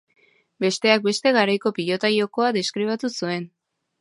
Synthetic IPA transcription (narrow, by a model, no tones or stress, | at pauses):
be̞st̪e̞ak̚be̞st̪e̞ɣaɾajko̞piʎo̞t̪ajo̞ko̞aðeskɾiβ̞at̪usue̞n